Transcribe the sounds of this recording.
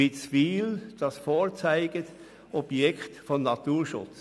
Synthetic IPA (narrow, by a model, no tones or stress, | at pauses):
ɪt͡sfiːld̥ɑsfoːt͡saɪɡət | ʔɔb̥jɛktfɔnːɑtuːɾʃʊ̰t͡s